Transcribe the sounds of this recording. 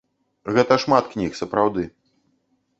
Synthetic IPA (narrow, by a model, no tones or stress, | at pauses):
ɣɛt̪ɐʂmat̪knʲixsɐpɾawd̪ɨ